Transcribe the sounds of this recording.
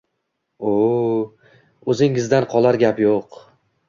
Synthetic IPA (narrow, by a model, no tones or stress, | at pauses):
o | ɵzɪŋɪzd̪anqʰɒlˠaɾɡʲapjoq